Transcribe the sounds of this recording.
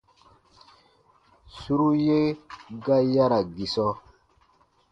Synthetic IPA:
su˦ɾu˦je˦ɡa˦ja˦ɾa˨ɡi˨sɔ˦

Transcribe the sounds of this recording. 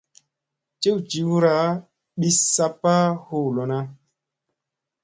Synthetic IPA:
t͡ʃe˦wt͡ʃi˨wu˦ɾa˨˦ | ɓi˦sa˦pːa˦ho˦˨lɔ˨na˦

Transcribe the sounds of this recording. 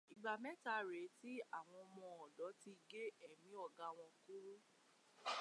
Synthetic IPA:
i˨ɡ͡ba˨mɛ˦ta˧˦ɾe˨˦ti˦a˦˨w̃ɔ̃˧ɔ˧mɔ̃˧ɔ˨dɔ˨˦ti˧i˧ɡe˦ɛ˦˨mĩ˨˦ɔ˦˨ɡa˨˧w̃ɔ̃˧ku˦ɾu˦

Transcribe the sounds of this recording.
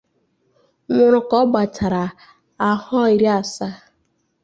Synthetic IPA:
ŋʷʊ˨ɾʊ˨kɔ˦ɡ͡ba˨tʰa˨ɾa˨ | a˨hɔ˦i˨ɾi˦a˨sa˦

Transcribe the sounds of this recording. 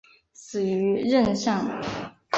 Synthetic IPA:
sɹ̩˨˩y˧˥ɻə˥˧nɕɑ˥˩ŋ˨

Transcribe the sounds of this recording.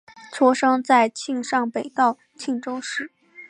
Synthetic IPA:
t͡sʰɔ˥ʂɤ˥ŋt͡sa˥˧ɪt͡ɕʰi˥˧ŋʂɑ˥˩ŋpe˨˩ɪt̪ɑ˥˩ʊ | t͡ɕʰi˥˩ŋʈ͡ʂo˥ʊʂɻ̩˥˩˦

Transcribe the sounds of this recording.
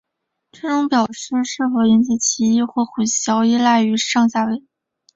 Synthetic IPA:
ʈ͡ʂɤ˥ʈ͡ʂʊ˧˥ŋpjɑ˨˩ʊʂɻ̩˥˧ʂɻ̩˥˩fɔ˧˥jɛ˧˥nt͡ɕi˧˥˩t͡ɕʰi˧˥i˥˧xwɔ˥˩xu˨˩ɕjɑ˧˥ʊi˥la˥˩ɪy˧˥ʂɑ˥˧ŋɕja˥˩we˧˥ɪ˥

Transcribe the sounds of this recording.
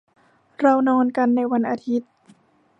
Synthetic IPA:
ɾa˧wnɔː˧nka˧nːa˧jwa˧nʔaː˧t̪ʰi˦˥t̪̚

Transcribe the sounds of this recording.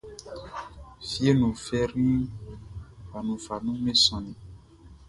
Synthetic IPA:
fi˦e˦nũ˨fɛ˦ɾnũ˦ | va˨nũ˨va˨nũ˦mẽ˦sɔ̃˨nĩ˨

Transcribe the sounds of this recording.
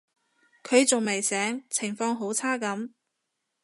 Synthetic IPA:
kʰɵ˨˧ɥt͡sʊ˨ŋme˨˩jsɛː˨˥ŋt͡sʰɪ˨˩ŋfɔː˧ŋɦo˨˥wt͡sʰaː˥kɐ˨˥m

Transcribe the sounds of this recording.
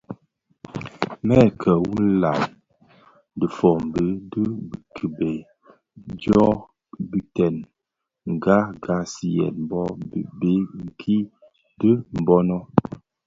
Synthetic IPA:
mɛ˦˨kʰə˨wu˦n̩˦la˨j | də˨fɔ˨m̩˨bə˦də˦bkʰə˨bɛ˨ | d͡ʒɔ˦ | bi˦tɛ˨n | ŋ̩˨ɡa˦ɡa˦si˦jɛ̰˨nm̩˦bɔ˦˨be˦ŋ̩˨kʰi˦ | də˦m̩˨bɔ˦nɔ˦

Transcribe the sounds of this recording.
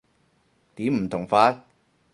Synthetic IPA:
t̪iː˨˥m̩˨˩t̪ʰʊ˨˩ŋfaː˧˥

